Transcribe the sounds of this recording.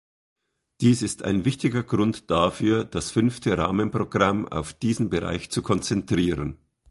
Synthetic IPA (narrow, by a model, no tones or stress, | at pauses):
d̥iːsɪstʰa̰ɪnvɪçtɪɡɐɡʁʊntd̥afyːɐd̥asfʏnftəʁa̰ːmənpʁ̥oɡʁama̰ʊfd̥iːzn̩bəʁa̰ɪçt͡sukʰɔnt͡sɛntʁ̥iːʁən